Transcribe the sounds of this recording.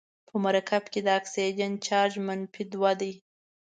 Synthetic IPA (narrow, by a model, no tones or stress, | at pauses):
pʰəmaɾakʰabked̪əaksijd͡ʒant͡ʃɑʒmanpid̪wad̪əj